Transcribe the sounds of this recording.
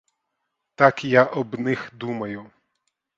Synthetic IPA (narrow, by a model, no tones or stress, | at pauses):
t̪ɑkjaʔɔbnɪxd̪umɐjʊ